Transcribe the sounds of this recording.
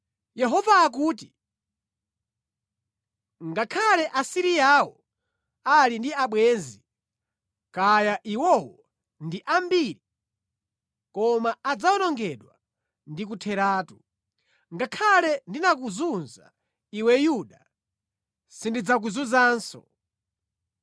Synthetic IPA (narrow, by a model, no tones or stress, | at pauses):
jɛɦɔvaːk̬uːt̬i | ŋɡakʰalɛʔasiɾiawɔ | alindiaɓwɛːnzi | kajaʔiwɔwɔ | ndiʔambiːɾi | kɔmaad͡zaɔnɔŋɡɛɗwa | ndik̬utʰɛɾaːtu | ŋɡakʰalɛndinak̬uzunza̰ | iwɛjuɗa | sindid͡zak̬uzunzaːnsɔ̰